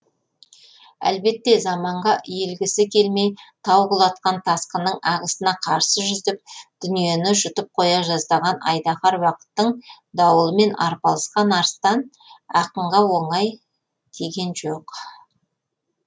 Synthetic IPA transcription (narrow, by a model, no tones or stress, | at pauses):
æ̰lbe̞t̪ːe̞zɑmɑɴʁɑje̞lɡʲɪsɪkʲʰe̞lme̞jt̪ʰɑwʁəlˠɑt̪̚qɑnt̪ʰɑsqənəɴɑʁəsənɑqʰɑɾsəʒʏzd̪ɪp̚d̪̥ʏnije̞nɪʒʏt̪əp̚qʰo̞jɑʒɑzd̪ɑʁɑnʔɑ̰jd̪ɑχɑɾwɑqə̥t̪ːəɴ | d̪ɑwəlˠəme̞nɑ̰ɾpɑlˠəsqɑnɑɾəst̪ɑn | ɑqəɴʁɑwo̞ɴɑj | d̪̥e̞ɡʲe̞nʒoq